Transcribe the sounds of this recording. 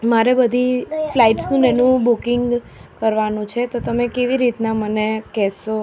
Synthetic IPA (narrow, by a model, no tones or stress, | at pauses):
maɾebəd̪ʱiflaiʈsnũnɛnũbukɪŋɡ | kəɾʋanũt͡ʃʰet̪ot̪əmekeʋiɾit̪namənekɛso